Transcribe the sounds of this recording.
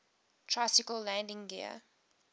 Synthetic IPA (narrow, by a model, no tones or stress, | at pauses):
tʰɹ̥asɪkəllæ̃ndɪ̃ŋɡiə̰